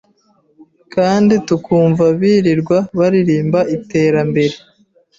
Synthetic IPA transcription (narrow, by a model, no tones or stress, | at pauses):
kaːnditukʰuːɱvaβiːɾiɾɡwaβaɾiɾiːmbaʔite̞ːɾambe̞ɾe̞